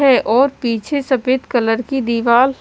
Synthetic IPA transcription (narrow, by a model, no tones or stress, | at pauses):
ɦɛʔɔːɾpiːt͡ʃʰesɐpeːt̪kɐləɾkid̪iːʋaːl